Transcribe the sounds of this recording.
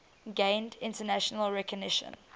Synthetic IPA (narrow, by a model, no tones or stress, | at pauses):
ɡẽɪ̃ndɪ̃ntənæʃənəlˠɹɛkəɡnɪʃə̰̃n